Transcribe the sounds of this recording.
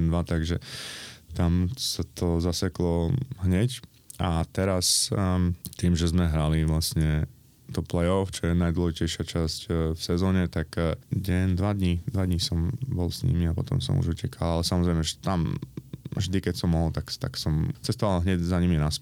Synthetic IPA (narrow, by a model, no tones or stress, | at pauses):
ɛnd̪ʋat̪aɡʒɛ | t̪amsat̪ʰɔzasɛklɔɦɲɛc | at̪ɛɾas | t̪iːmʒɛzmɛɦɾaliʋlasɲɛ | t̪ɔplɛjɔft͡ʃɔjɛnajd̪wlɔɔʒicɛjʃɪat͡ʃascfsɛzɔːɲɛt̪akɟɛnd̪ʋad̪ɲid̪ʋad̪ɲisɔmbɔlsɲḭmiapɔt̪ɔ̰msɔ̰mṵʒucɛkʰalalɛsamɔzɾɛɪmɛʒɛt̪am | ʒd̪ikɛsɔmːɔɦɔlt̪akt̪a̰ksɔmt͡sɛst̪ɔʋalɦɲɛɟzaɲiminas